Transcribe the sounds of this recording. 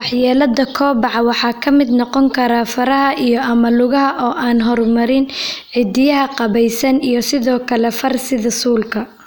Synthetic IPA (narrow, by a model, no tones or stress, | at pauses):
wɑħjaːlɐðɐkʰɔːbɑʕɑwɑħɑːkʰɐmɪd̪nɔqɔŋkʰɐɾaːfɐɾɐɦɐʔijɔʔɐmɐlʊɣɐɦɐʔɔːʔaːnɦɔrmɐɾɪnʕɪd̪ɪjɐɦɐqɑβɛjsɐnijɞsɪðɔːkʰɐlɛfɐrsɪðɐsuːlkʰɐ